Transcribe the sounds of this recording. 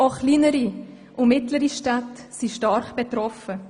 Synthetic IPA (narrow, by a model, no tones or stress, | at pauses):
oχliːnəɾi | ʔʊmɪtləɾiʃtatsiʃtɑɾχb̥et̪ɾɔfə